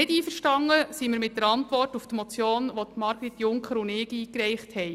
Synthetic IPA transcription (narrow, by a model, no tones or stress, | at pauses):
nɪdiːfəɾʃtɑŋːəsiːməɾmɪt̚d̥əɾɑntʋɔrtuftmɔt͡sjoːnʋot̪mɑɾɡɾitjʊŋkχəɾʊnɪːkiːkɾɛjχthɛj